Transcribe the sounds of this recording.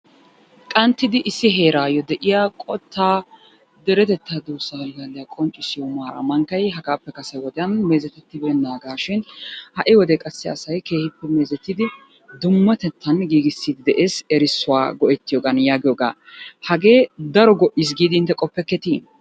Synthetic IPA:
kʼɐnt̪ːɪd̪ɪʔɪsːɪɦe̞ːɾaːjɔd̪ɛʔɪjakʼɔt̪ːaː | d̪ɛɾɛt̪ɛt̪ːaːd̪uːsːahɐlɡaːlːɪjakʼɔnt͡ʃʼːɪsɪjɔmaːɾɐ̰mɐŋkːɐjɦɐɡaːpːɛkɐsɐjwɔd̪ɛjɐnme̞ːzɛt̪ɛt̪ːɪbɛnaːɡaːʃɪnhɐʔɪwɔd̪ɛkʼɐsːɪɐsɐjke̞ːhɪpːɛme̞ːzɛt̪ːɪd̪ɪ | d̪ʊmːɐt̪ɛt̪ʰːɐnɡiːɡɪsːiːd̪ɪd̪ɛʔe̞ːsɛɾɪsːʊwa̰ːɡɔʔɛt̪ːɪjɔɡɐnjaːɡɪjɔɡa̰ːhɐɡe̞ːd̪ɐɾɔɡɔʔis̬ɡiːd̪ɪɪnt̪ːɛkʼɔpːɛkːɛt̪iː

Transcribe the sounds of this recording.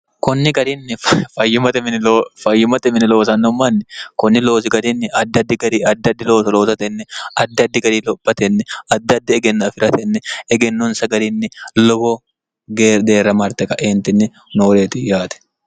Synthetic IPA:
kɔnːɪɡɐɾinːɪffɐjːʊmɐt̪ɛmɪɪlofɐjːʊmɐt̪ɛmɪnɪlo̞ːsɐnːɔmːɐnːɪkɔnːɪlo̞ːsɪɡɐd̪ɪnːɪɐd̪ːɐd̪ːɪɡɐɾiːɐd̪ːɐd̪ːɪlo̞ːsɐlo̞ːsɐt̪ɛnːɛɐd̪ːɐd̪ːɪɡɐɾiːlɔbːɐt̪ɛnːɛɐd̪ːɐd̪ːɪɛɡɛnːɐfɪɾɐt̪ɛnːɛɛɡɛnːʊnsɐɡɐɾɪnːɪlɔboː | ɡd̪eːrːɐmɐɾt̪ɛkɐʔeːnt̪ɪnːɪ | noːɾeːt̪ɪjaːt̪ɛ̥

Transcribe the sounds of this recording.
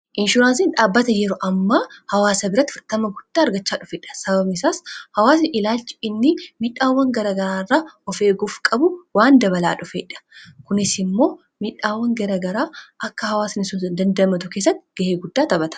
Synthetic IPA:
ʔɪnʃʊɾaːnsinᶑaːbːɐt̪ɐjɛɾɔʔɐmːahɐwaːsɐbɪɾɐt̪ːɪfɪɾt̪ɐmɐɡʊd̪̥ːaːɐɾɡɐt͡ʃːaːᶑʊfeːᶑɐ̥sɐbɐbnɪsaːshɐwaːs̬nɪʔɪlaːlt͡ʃːɪ̥ɪnːɪmɪᶑaːwːɐŋɡɐɾɐɡɐɾaːɪrːaːɔfe̞ːɡʊfkʼɐbʊwaːnd̪ɐβɐla̰ːᶑʊfeːᶑɐ̥kʊnɪsɪmːo̞ː | miᶑaːwːɐŋɡɐɾɐɡɐɾaːʔɐkːɐhɐwaːsnɪsʊnsd̪ɐnd̪ɐmɐt̪ʊkeːs̬ːɐt̪ːɪɡ̥ɐheːɡʊd̪ːaːt̪ɐbɐt̪ɐ̥

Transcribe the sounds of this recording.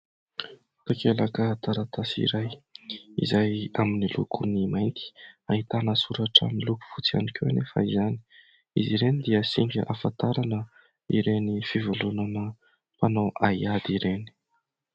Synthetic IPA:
t̪akelakət̪aɾat̪asḭɾajḭzajaminilṵkʰunimajnt̪i̥aɦit̪anəsuɾaʈ͡ʂə̰miluku̥fut͡sia̰nikʰeanefa̰izani̥ | iziɾenid̪iəsiŋɡʲə̰ʔafat̪aɾanə | ḭɾenifivulunanə | panawaiad̪iɾeni̥

